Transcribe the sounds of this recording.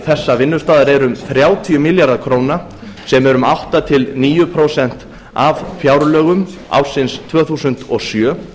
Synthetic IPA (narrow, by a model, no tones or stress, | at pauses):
θɛsːavɪnːʏ̥st̪aːðaɾɛɾʏmθɾjaːwt̪ʰiʏmɪljaɾðakʰɾoːwna | sɛmɛɾʏmawht̪at̪ʰɪlniːjʏpʰɾoːwsɛn̥t̪ | avfjaːwɾlœːɣʏm | a̰wɾ̥sɪnst̪ʰvœːθusʏn̥t̪ɔɣsjœː